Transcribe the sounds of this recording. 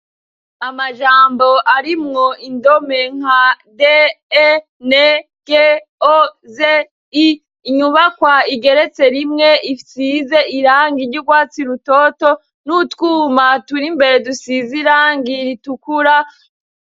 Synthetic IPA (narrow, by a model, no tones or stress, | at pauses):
amaʒaːmbo̞ʔaɾimŋo̞indome̞ŋ̥a | de | ne | ɡ̥eoze | iː | ɲuβakwaiɡe̞ɾe̞t͡se̞ɾimŋeisize̞iɾaːŋɡiɾɟuɡwaːt͡siɾutoːto̞ | nutkuːmatuɾimbe̞ɾe̞dusiziɾaːŋɡiɾitukuɾa